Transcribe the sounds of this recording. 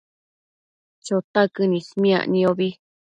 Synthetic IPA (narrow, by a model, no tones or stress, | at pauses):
t͡ʃot̪akɨnĩsmĩã̰ʔnĩoβi